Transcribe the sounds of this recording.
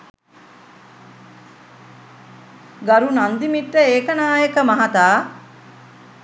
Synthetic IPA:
ɡɐɾunɐnd̪imiʈ̪ːəeːkənaːjekəmɐɦat̪aː

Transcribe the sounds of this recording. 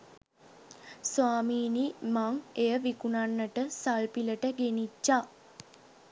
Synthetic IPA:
sʋaːmiːnimaŋejəʋikunanːəʈəsalpiləʈəɡenid͡ʒːa

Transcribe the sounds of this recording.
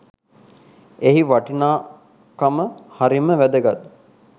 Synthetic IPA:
eɦiʋaʈinaː | kaməhaɾiməʋæd̪əɡat̪ːu̥

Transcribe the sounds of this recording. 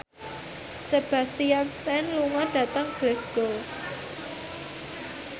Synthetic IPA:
seb̥a̤st̪ijanst̪ɛnluŋɔɖ̥ä̤t̪əŋb̥lɛsɡ̥ol

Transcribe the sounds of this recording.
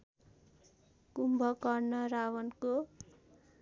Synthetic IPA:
kumbʱʌkʌrnʌɾawʌnko

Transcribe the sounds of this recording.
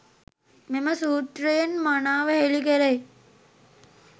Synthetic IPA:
memɐsuːʈɾeːnmanaːʋɐɦelikeɾej

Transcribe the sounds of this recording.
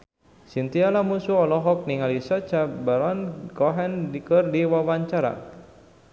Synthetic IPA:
sint̪ialamusuɔlɔɦɔk̚niŋalisat͡ʃabaɾɔnkɔɦɛndikərdiwawaɲt͡ʃaɾa̰

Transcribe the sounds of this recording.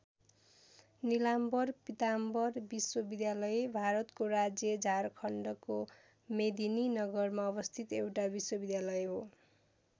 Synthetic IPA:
nilambʌrpit̪ambʌrbiswʌbid̪jalʌjbʱaɾʌt̪koɾad͡zjʌd͡zʱarkʰʌɳɖʌko | med̪ininʌɡʌrmaʌbʌst̪ʰit̪ewʈabiswʌbid̪jalʌjɦo

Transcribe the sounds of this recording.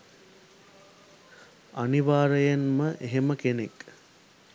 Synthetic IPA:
aniʋaːɾəjanməʔeɦeməkenek

